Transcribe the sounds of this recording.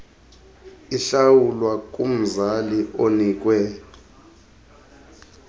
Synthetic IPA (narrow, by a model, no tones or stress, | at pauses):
iɬawulwak̬ʼum̩zaliʔonik̬ʼwɛ